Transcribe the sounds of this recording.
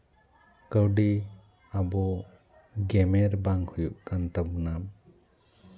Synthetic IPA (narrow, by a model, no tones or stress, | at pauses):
kawɖi | abɔ | ɡemeɾbaŋhujuʔkant̪abunam